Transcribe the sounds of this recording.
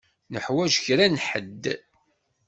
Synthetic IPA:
nəħwæʒçɾænħə̰d̪ː

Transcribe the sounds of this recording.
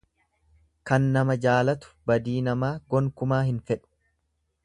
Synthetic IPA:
kɐnːɐmɐd͡ʒaːlɐt̪ʊ̥bɐd̪iːnɐmaːɡɔŋkʊmaːhɪnfɛᶑʊ̥

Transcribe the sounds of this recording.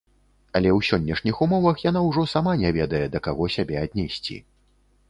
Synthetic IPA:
ɐlʲɛwsʲɔnʲːɛʂnʲixumɔvɐxjanawʐɔsamanʲɛvʲɛd̪ɐjɛd̪ɐkaɣɔsʲabʲɛad̪̚ʲnʲɛsʲt͡sʲḭ

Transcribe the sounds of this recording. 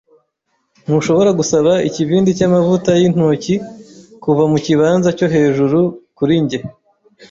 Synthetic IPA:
n̥huʃo̞βo̞ɾaɡusaβaḭciβiːndicaːmavutajin̥ucikuvamuciβaːnzaco̞ɦe̞ːʒuɾukuɾiɲɟe̞

